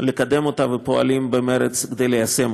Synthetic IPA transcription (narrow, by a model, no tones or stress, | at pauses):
lekad̪e̞mo̞t̪avepo̞a̰limbemeɾet͡skd̪e̞jlejase̞m